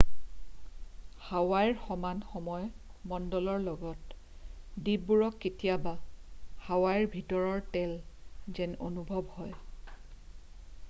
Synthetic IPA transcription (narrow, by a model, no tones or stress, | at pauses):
hawajɹxɔmanxɔmɔjmɔndɔlɔɹlɔɡɔt | dibuɹɔkːetijabahawajɹbʱitɔɹɔɹtɛlzɛnonubʱɔbhɔj